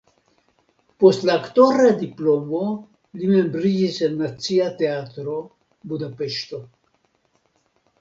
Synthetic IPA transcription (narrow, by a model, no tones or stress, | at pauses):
post̪laːkt̪oɾad̪iplomo | lime̞mbɾid͡ʒisenːat͡siat̪eat̪ɾo | bud̪apeʃt̪o